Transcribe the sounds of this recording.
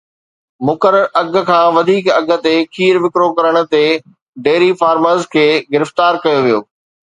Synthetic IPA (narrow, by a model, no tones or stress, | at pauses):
mʊkəɾəɾʔɐɡ̆ʱkʰãːʋɐd̪ʱiːkɐɡʱə̆t̪ekʰiːɾʋɪkɾokɐɾəɽ̃ʊ̆t̪e | ɖeːɾifaːɾməɾzkʰeːɡɪɾɪft̪aːɾkɐjoʋijoː